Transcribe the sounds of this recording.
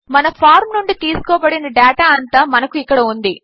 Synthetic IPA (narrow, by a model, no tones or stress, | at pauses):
mɐnɐpʰaːɾmnuɳɖit̪iːsu̥kɔːbɐɽinɐɖaːʈaːɐnt̪aːmɐnɐkuikːɐɽɐund̪i